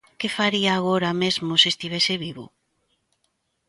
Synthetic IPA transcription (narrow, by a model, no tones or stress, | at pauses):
kefaɾiaːɣ̞oɾamezmʊsest̪iβɛsɪβiβʊ̰